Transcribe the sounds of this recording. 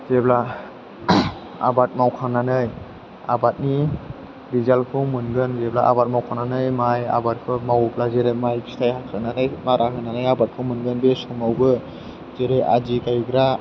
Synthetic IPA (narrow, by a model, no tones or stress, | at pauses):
zebla | a̰bat̚mawkʰaŋnanɯj | a̰bat̚ni | bizalkʰɯwmɯnɡɯnzeblaʔa̰bat̚mawkʰaŋnanɯjmaja̰bat̚kʰɯmawplazeɾemajbistʰajhakʰaŋnanɯjmaɾʔaɦɯnanɯjabat̚kʰɯwmɯnɡɯnbesɔmawbɯ | zeɾeʔa̰d͡ʒikajɡɾa